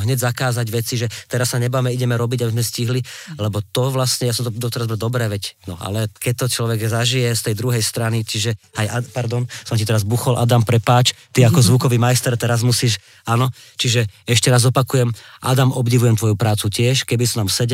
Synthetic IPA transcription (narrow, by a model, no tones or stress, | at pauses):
ɦɲɛɟzakaːzaɟʋɛt͡siʒɛt̪ɛɾassaɲɛbaːmɛiɟɛmɛɾɔbiɟabizmɛsciɦlilɛbɔt̪ɔʋlastɲɛjasɔmt̪ɔd̪ɔt̪ɔɾazbɛd̪ɔbɾɛːʋɛcnɔʔa̰lɛkɛc̚t̪ɔt͡ʃlɔʋɛɡzaʒijɛst̪ɛjd̪ɾuɦɛjst̪ɾanit͡ʃiʒɛajapaɾd̪ɔnsɔmcit̪ɛɾazbuxɔlʔa̰d̪ampɾɛpaːt͡ʃ | t̪iakɔzʋukɔʋiːmajst̪ɛɾt̪ɛɾazmusiːʃ | anɔ | t͡ʃiʒɛɛʃcɛɾazɔpakujɛmʔa̰d̪amɔbɟiʋujɛmt̪ʋɔjupɾaːt͡sucɪɛʃkɛbisunamsɛɟ